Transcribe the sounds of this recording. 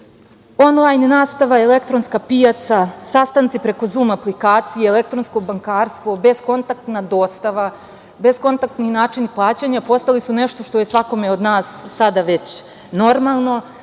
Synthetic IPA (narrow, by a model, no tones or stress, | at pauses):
o̞nlˠajnnaːst̪aʋaele̞kt̪ɾo̞nskapijat̪sasast̪ant̪sipɾe̞ko̞zuːmaplikaːt̪sieele̞kt̪ɾo̞nsko̞baŋkaːɾst̪ʋobe̞sko̞nt̪ak̚t̪nad̪o̞ːst̪aʋa | be̞sko̞nt̪ak̚t̪ninaːt͡ʃiniplˠaːt͡ɕaɲapo̞st̪alisune̞ʃt̪o̞ʃt̪o̞je̞sʋako̞meo̞d̪naːsːad̪aʋe̞t͡ɕ | no̞ɾmalˠno̞